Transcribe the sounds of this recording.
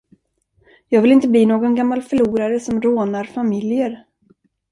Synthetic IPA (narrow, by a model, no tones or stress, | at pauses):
jɑːɡvɪlɪnt̪əbliːnoːɡɔnɡamːalfœɭuːɾaɾəsɔmɾoːnaɾfamɪljəɾ